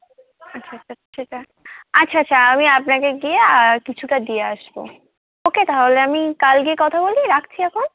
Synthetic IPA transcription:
atːʰaaʃet͡ʃa | atːɕʰaatːɕʰaamiapnakeɡieakit͡ɕʰuʈad̪ieaʃbo̰ | oket̪aɦɦoleamikalɡiekɔt̪ʰaboliɾak̚ʰt͡ɕʰiɛkʰon

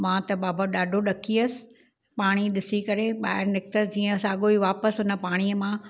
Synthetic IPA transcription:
mãːt̪ɐɓaːbəɗaːɖʱoɗɐkʰiəsɪ̥̆ | paːɽ̃iɗɪsikɐɾeɓaːɦɪɾnɪk̚t̪əd͡ʑiːə̃saːɠoːiʋaːpəsɦʊnə̆paːɽ̃iəmãː

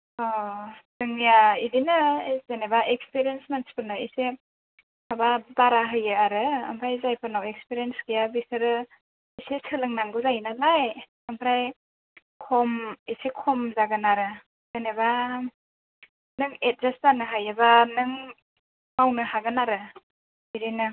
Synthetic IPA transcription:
ɔsɯŋijaidinɯzenebaʔek̚speɾijensmanspɯnaise | ababaɾaɦɯjɯaɾɯa̰mpʰɾajzajpʰɯnawek̚spiɾijensɡijabisɯɾɯ | isesɯlɯŋnaŋɡɯzajinalaj | ampʰɾaj | kʰɔmisekʰɔmzaɡɯnaɾɯ | z̥eneba | nɯŋet̚zastanɯɦajebanɯŋ | mawnɯhaɡɯnaɾɯ | iɾinɯ

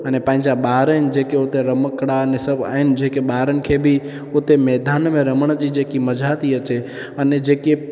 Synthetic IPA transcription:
ənepãɦɪ̃ɲd͡ʒaɓaːɾəɪnɪ̆d͡ʒeːkeʊt̪eɾəməkɽaənesəbʱa̰ːɦɪnɪ̆d͡ʒeːkeɓaːɾənɪ̆kʰebʱi | ʊt̪emeːd̪ʱaːnmẽɾəməɽ̃d͡ʒid͡ʒeːkiməd͡ʒʱat̪iət͡ʃe | əned͡ʒeːke

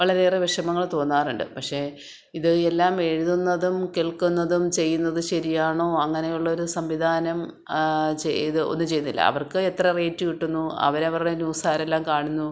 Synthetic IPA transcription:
ʋɐɭɐɾeːrɨʋeʂɐmɐŋːɐɭt̪o̞ːnːaːruɳɖɨ̰pɐkʂe̞ | iðɨelːaːme̞ɻuðunːɐðumkeɭkunːɐðumt͡ɕe̞jːunːɐðɨɕɐɾijaːɳo̞ːɐŋːɐne̞juɭːɐoɾusɐmʋid̪ʱaːnɐm | t͡ɕeðɨo̞̰nːɨt͡ɕejːunːilːɐ̰ɐ̰ʋɐrkɨet̪rɐre̞ːtːujiʈːunːuɐ̰ʋɐɾɐʋɐrɽenjuːsaːɾelːaːmkaːɳunːu

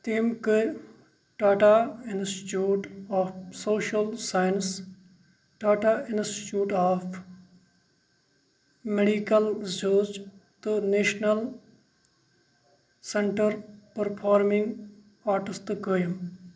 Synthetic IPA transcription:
t̪iːmkɨ | ʈaːʈainsʈi̥ʈjuːʈaːfsoːʃɐlsaːjns | ʈaːʈaɪnsʈi̥ʈjuːʈaːf | meɖikɐlzoːd͡ʒt̪ɨneːʃnɐl | seɳʈəɾpɐɾpʰaːɾmĩŋɡ | aːɾʈɪst̪kəjim

